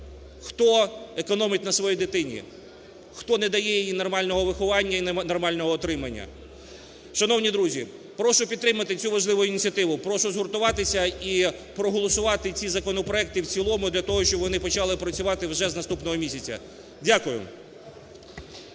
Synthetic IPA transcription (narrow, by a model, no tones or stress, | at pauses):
xt̪ɔekɔnɔmɪt̪̚ʲnɐsʋɔjijd̪ɪt̪ɪnʲḭ | xt̪ɔned̪ɐjɛjijinɔrmɑlʲnɔɦɔʋɪxʊʋɑnʲːɐinnɔrmɑlʲnɔɦɔːt̪ɾɪmɐnʲːɐ̰ | ʃɐnɔwnʲid̪ɾuzʲi | pɾɔʃʊpʲid̪̚t̪ɾɪmɐt̪ɪt͡sʲuʋɐʒlˠɪʋʊjʊinʲt͡sʲiɐt̪ɪʋʊpɾɔʃʊzɦʊrt̪ʊʋɑt̪ɪsʲɐipɾɔɦɔlˠɔsʊʋɑt̪ɪt͡sʲizɐkɔnɔpɾɔɛk̚t̪ɪwt͡sʲilˠɔmʊd̪lʲɐt̪ɔɦɔʃt͡ʃɔbʋɔnɪpɔt͡ʃɑlˠɪpɾɐt͡sʲʊʋɑt̪ɪwʒɛznɐst̪upnɔɦɔmʲisʲɐt͡sʲɐ̰ | dʲakʊjʊ̰